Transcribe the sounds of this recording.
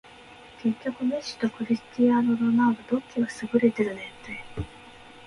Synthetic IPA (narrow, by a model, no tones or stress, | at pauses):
ke̞kʲːo̞kɯ̟meɕi̥t̪o̞kɯ̟ɾʲisɨ̥t̪ijãnoɾonad̪od̪o̞kʲːiɡasɨɡɯ̟ɾe̞t̪e̞ɾɯ̟net̪ːe